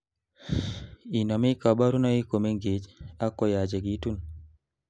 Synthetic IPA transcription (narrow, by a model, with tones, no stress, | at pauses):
i˨nɔ˨mi˦ka˨ba˦ɾu˦nɔ˦i˦ko˨me˦ŋɡe˨d͡ʒa˦kːɔ˨ja˨d͡ʒe˨ɡi˦tu˦n